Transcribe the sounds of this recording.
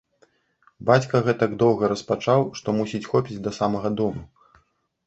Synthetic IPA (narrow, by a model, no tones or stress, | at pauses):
bat͡sʲkɐɣɛt̪ɐɡd̪ɔwɣɐɾɐspat͡ʂawʂt̪ɔmusʲit͡sʲxɔpʲid͡zʲd̪ɐsamɐɣɐd̪ɔmu